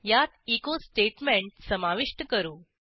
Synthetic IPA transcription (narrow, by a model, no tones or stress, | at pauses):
jat̪ikosʈeʈmẽɳʈsəmaʋiʂʈəkəɾuː